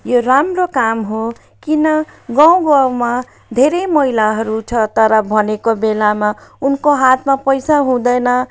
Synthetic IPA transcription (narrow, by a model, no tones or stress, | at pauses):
joɾamrokamɦo | kinʌɡʌw̃ɡaw̃ma | d̪ʱeɾejmʌɦilaɦʌɾut͡sʰʌt̪ʌɾʌbʱʌnekobelamaunkoɦat̪ʰmapʌjsaɦũd̪ʌjnʌ